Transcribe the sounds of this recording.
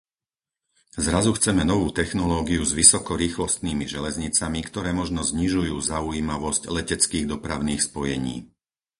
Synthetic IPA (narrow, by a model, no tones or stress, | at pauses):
zɾazuxt͡sɛmɛnɔʋuːt̪ɛxnɔlɔːɡiuzʋisɔkɔɾiːxlɔst̪niːmiʒɛlɛzɲit͡samikt̪ɔɾɛːmɔʒnɔzɲiʒujuːzaujiːmaʋɔsclɛcɛt͡skiːɣd̪ɔpɾaʊniːxspɔjɛɲḭː